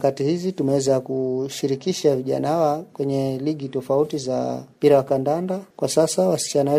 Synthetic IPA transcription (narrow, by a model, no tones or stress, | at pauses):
katihizitumɛwɛzakuʃiɾikiʃaviʄa̰naawakwɛɲɛliɠitɔfautiza̰mpiɾawakandandakwasasawasi̥t͡ʃanawɛ